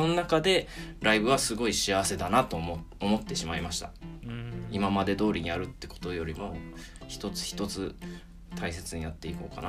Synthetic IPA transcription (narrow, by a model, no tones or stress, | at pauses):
ononakad̪e̞ɾaibɯ̟βasɨɡo̞iɕiaβ̞ase̞d̪anat̪o̞omo̞t̪ːe̞ɕimaimaɕi̥t̪a̰ | imamad̪e̞d̪o̞ːɾʲiɲ̟iaɾɯ̟t̪ːe̞ko̞̥t̪o̞jo̞ɾʲimo̞ | çi̥t̪o̞t͡sɨ̥çʲi̥t̪o̞t͡sɨ | t̪ʰais̬e̞t͡sɨɲ̟ijat̪ːe̞iko̞̰ːkana